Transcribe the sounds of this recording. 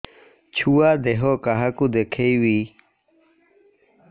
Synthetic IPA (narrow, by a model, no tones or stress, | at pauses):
t͡ɕʰuwaːd̪eɦokaɦakud̪ekʰeiwi